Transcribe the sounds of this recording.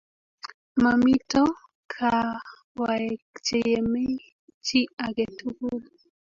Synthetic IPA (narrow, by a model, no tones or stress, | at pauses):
mamitɔ | kʰa | wakt͡ʃejeme | t͡ʃiaɡetʰukul